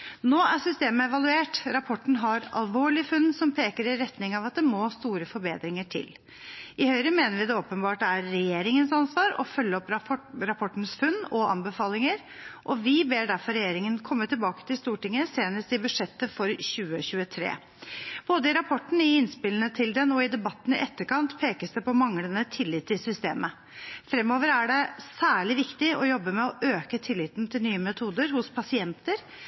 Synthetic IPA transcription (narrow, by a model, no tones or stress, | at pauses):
noːæsʏst̪eːməɛʋɑlʉeːʈɾɑpʰɔʈːɳn̩ɦɑɾɑ̰lʋoːɭɪfʉnːsɔmpʰeːkəɾɪɾɛt̪nɪŋɑʋɑt̪̚d̪ɛmoːst̪uːɾəfɔɾbeːd̪ɾɪŋəʈʰɪ̰l | ɪhœʏɾəmeːnəɾʋɪd̪ɛoːpənbɑːʈæɾːɛjeːɾɪŋənsɑnsʋɑːɾɔ̰fœlːəɔpɾɑpʰɔʈːn̩sfʉnːɔʔɑ̰mbəfɑːlɪŋəɾ | ʔɔʋɪbeːɖæɾfɔɾːɛjeːɾɪŋənkʰɔmːət̪ʰɪlbɑːkə̥t̪ʰɪlst̪uːʈɪŋːəseːnəst̪ɪbʉʂɛt̪ːəfɔɾçʉːəçʉːət̪ʰɾḛː | b̥oːd̪əɪɾɑpʰɔʈːn̩ɪɪnspɪlənət̪ʰɪld̪ɛnɔɪd̪ɛbɑt̪ːn̩ɪ̰ʔɛt̪ːəkɑnt̪pʰeːkəsd̪ɛpɔmɑŋlənət̪ʰɪlːɪːt̪ːɪsʏst̪ḛːmə | fɾɛmːoːʋəɾæɖɛsæːɭɪʋɪkt̪ɪɔjɔbːəmɛɔʔøːkət̪ʰɪlːɪt̪nt̪ʰɪlnyːəmɛt̪ʰuːd̪əɾhʊspʰɑsɪɛnt̪əɾ